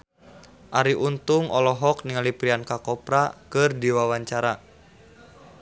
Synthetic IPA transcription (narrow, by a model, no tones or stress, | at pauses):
ʔaɾiʔunt̪uŋɔlɔɦɔk̚niŋalipɾiankakɔpɾakɨrdiwawaɲt͡ʃaɾa